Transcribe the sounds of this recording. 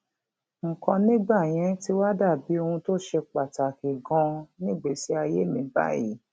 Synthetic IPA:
ŋ̩˨kɔ̃˧nĩ˦ɡ͡ba˦˨j̃ɛ̃˨˦ti˦wa˦da˦˨bi˨˦o˧hũ˧to˦ʃe˧k͡pa˨ta˨ke˨ɡɔ̃˧nĩ˦˨ɡ͡be˨si˨˦a˧je˦mĩ˨˦ba̰˦jḭ˦

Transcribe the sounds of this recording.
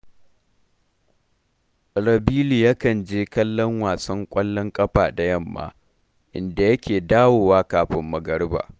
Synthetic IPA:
ɾɐ˨biː˦liː˨ja˦kɐ˨nd͡ʒeː˦kɐ˦lːɔ˦ŋwaː˨sɐ˦ŋkʷʼɐ˦lːɔ˦ŋkʼɐ˦ɸaː˨da˨jɐ˦˨mːa̰ː˨˦ | ʔɪ˨nda˨jɐ˦kʲeː˨daː˦woː˨waː˦kaː˨ɸɪ˦mːɐ˨ɡɐ˦ɽba̰ː˨

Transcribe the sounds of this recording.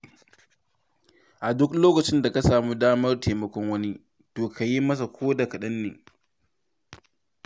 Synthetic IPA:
ʔa˨dʊ˦kloː˦kɐ˨t͡ʃɪ˦nda˨ka˦saː˨muː˦daː˦mɐ˦rtʰeː˨mɐ˨kʷɔ˦ŋwɐ˦ni˦ | toː˨kʰa˨ji˦mɐ˦s̬a˨kʷoː˦da˨kɐ˨ɗɐ˦nːḛː˨

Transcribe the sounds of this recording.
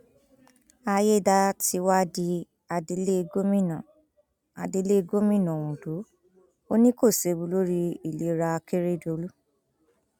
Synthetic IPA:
a˧je˦˨da˧ti˧wa˦di˧ | a˧de˧˦le˦˧ɡo˦mĩ˦˨nã˨ | a̰˨de˧˦le˦˧ɡo˦mĩ˦˨nɔ̃˨wũ˨do˨˦ | o˦nĩ˦ko˦˨se˧bu˧˦lo˦ɾi˧i˨le˨˦ɾa˧ke˦ɾe˦˨do˧lu˦

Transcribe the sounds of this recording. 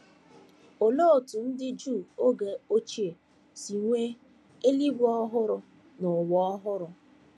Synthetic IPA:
o˨lo˦˨tu˨n̩˦dɪ˦d͡ʒu˦˨o˦ɡe˨o˦t͡ʃi˦e˨ | si˨ŋʷe˦ | e˦li˦ɡɔ˦ɦʊ˦ɾʊ˦ | nʊ˨wɔ˦˨ɔ˦ɦʊ˦ɾʊ˦

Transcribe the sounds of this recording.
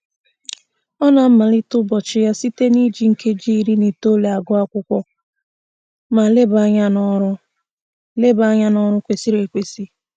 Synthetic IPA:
ɔ˦na˨m̩˦ma˨li˦tʊ˦bɔ˨t͡ʃɪ˦ja˦si˦te˦ni˦d͡ʒi˦ŋ̩˨ke˦d͡ʒi˦i˦ɾi˦ni˨to˦le˨a˨ɡʊ˦a˦kʷʊ˦kʷɔ˦ | ma˨le˦ba˨ɲa˦nɔ˦ɾʊ˦ | le˦ba˨˦ɲa˦nɔ˦ɾʊ˦kʷe˨si˦ɾe˨kʷe˨si˦

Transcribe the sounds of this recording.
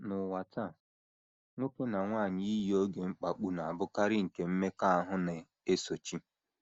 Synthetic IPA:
nʊ˨wa˨ta˦˨ | ŋʷo˦ke˦na˨ŋʷaː˦˨ɲi˦i˦ji˦o˦ɡe˨ŋ͡m̩˦k͡pa˨k͡pu˦na˨a˨bʊ˦ka˦ɾɪ˦ŋ̩˨ke˨m̩˦me˦ka˦a˦ɦʊ˦ne˨ | e˦so˨t͡ʃi˦

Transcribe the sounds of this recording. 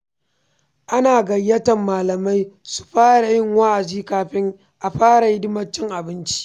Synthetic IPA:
ʔa˦naː˨ɡɐ˨jːɐ˦tɐ˨mːaː˨lɐ˨ma˦jsu̥˨ɸaː˦ɽa˨jɪ˦ŋwa˦ʔa˨d͡ʒiː˦kaː˨ɸɪ˦ŋ | ʔa˨ɸaː˦ɽa˨jɪ˦dɪ˦mɐ˦t͡ʃːɪ˦ŋʔa˨bɪ˦nt͡ʃi̥˦

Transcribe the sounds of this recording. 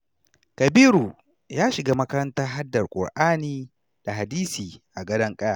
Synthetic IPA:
kɐ˨biː˦ɾu˨ | jaː˦ʃɪ˨ɡaː˦mɐ˦kɐ˦ɾɐ˦ntaː˦ɦa˦dːɐ˨rkʷʼʊ̰˨rʔaː˦niː˦ | d̥a˨ɦa˨diː˦siː˨ʔa˨ɡɐ˦dɐ˦ŋkʼɐ˦jaː˨

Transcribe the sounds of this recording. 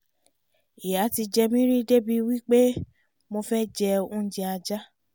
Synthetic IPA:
i˨ja˨˦ti˧d͡ʒɛ˧mĩ˦ɾi˦de˦bi˧wi˦k͡pe˦ | mo˧fɛ˦d͡ʒɛ˧ũ˦d͡ʒĩ˧a˧d͡ʒa˦

